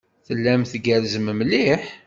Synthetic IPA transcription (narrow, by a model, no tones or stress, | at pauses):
θəlːæmθɡəɾzəmmliħ